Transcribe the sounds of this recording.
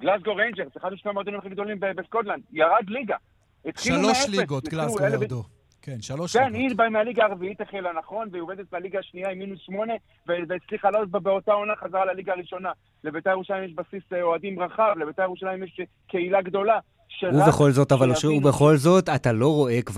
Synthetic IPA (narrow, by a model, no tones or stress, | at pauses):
ɡlasɡo̞ʁejnd͡ʒeʁseχad̪uʃnemoadimeχiɡ̚d̪o̞limbebeskotland̪jaʁad̪liɡa | et̪χilumeeeuelfe | kenʃaloʃkenilbaimealiɡaːʁviitaχelanaχo̞nveoved̪et̪mealiɡaːʃniaimːinusʃmo̞ne̞ | veveːt͡sliχalot̚babeo̞tao̞naχazaʁalaliɡaːʁiʃo̞na | le̞bet̪aje̞ʁuʃalajimjeʃbasisoadimʁaχavle̞bet̪aje̞ʁuʃalajimjeʃ | ke̞ilaɡdo̞la | ʃeubeχo̞lzo̞t̪avvalʃubeχo̞lzo̞t̪at̪alo̞ʁo̞ekv